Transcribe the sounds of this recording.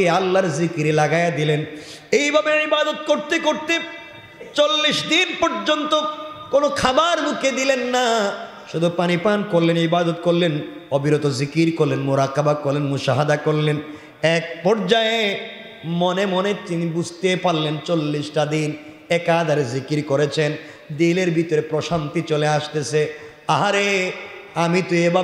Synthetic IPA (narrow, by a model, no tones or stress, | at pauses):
ealːaɾzikiɾelaɡajad̪ilen | ejbʱabeɾaibad̪ot̪̚koɾt̪ekoɾt̪e | t͡ɕolːiʃd̪inpɔɾd͡ʑont̪okonokʰabaɾbuked̪ilenːa | ʃud̪ʱupanipankoɾlenibad̪ot̪̚koɾlen | obiɾot̪ozikiɾkoɾlenmuɾakabakoɾlenmuʃaɦad̪akoɾlen | ɛk̚pɔɾd͡ʑae | monemonet̪inibud͡ʑʱt̪epaɾlent͡ɕolːiʃʈad̪in | ɛkad̪ʱaɾezikiɾkoɾet͡ɕʰen | d̪ileɾbʱit̪oɾepɾoʃant̪it͡ɕoleaʃt̪et͡ɕʰe | aɦaɾe | amit̪ujeba